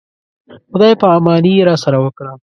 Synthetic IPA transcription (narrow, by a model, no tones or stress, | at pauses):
xʊd̪ɑjpəamɑniɾɑsaɾawəkɽa